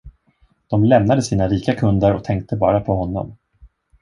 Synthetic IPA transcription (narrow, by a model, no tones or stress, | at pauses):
d̪̥ɔmlɛmnad̪əsiːnaɾiːkakʰɵnd̪əɾɔk̚t̪ʰɛŋk̚t̪əbɑ̰ːɾapʰɔɦɔnːɔ̰m